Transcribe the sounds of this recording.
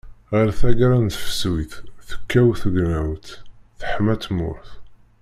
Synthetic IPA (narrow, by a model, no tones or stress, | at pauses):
ʁəɾθæɡɾˤænt̪fə̥swiθθə̥kːæwθəɡnæwt̪θəħmæt̪ːmʊ̰ɾθ